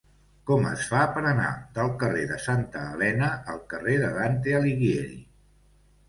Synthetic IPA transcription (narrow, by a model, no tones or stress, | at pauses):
kɔmə̰sfapəɾəna̰ðəlˠkəreðəsant̪əːlɛnəʔəlˠkəreðəðant̪eəliɣieɾḭ